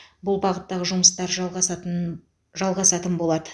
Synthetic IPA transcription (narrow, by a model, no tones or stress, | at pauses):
bʊlˠbɑʁət̪ːɑʁəʒʊməst̪ɑɾʒ | ʒɑlˠʁɑsɑt̪ənbo̞lˠɑd̪ə